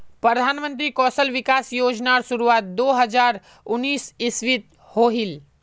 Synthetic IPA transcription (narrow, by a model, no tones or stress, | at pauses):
pɾəd̪ʱanmə̃nt̪ɾikɔsəlʋikasjoːd͡ʒnaɾsuɾuat̪̚d̪oːɦəd͡ʒaɾ | ʊnːiːsisʋit̪̚ | hoɦil